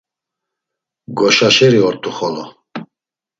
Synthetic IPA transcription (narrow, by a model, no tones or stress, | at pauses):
ɡɔʃaʃɛɾiɔɾt̪ʰuχɔlɔ